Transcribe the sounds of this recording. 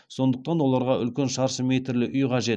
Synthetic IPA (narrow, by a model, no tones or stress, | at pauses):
so̞nd̪əq̚t̪ɑnwo̞lˠɑɾʁɑʔʏlkʲe̞nʃɑɾʃəmet̪ɾlɪʔʏjqʰɑʒe̞t̪